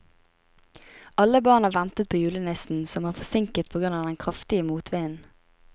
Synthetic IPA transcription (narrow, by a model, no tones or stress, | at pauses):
ɑləbɑːʁnɑːʋɛnt̪ət̪̚pʰoːjʉːlənɪsn̩sɔmɑːfɔsɪŋkət̪̚pʰɔɡʁʉnɑːd̪ɛnkʰʁɑft̪ɪəmuːt̪ʰʋeɪən